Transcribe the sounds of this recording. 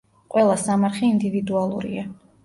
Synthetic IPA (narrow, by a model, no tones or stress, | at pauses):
qʼwɛlˠasamaɾχɛind̪ivid̪ualˠṵɾḭa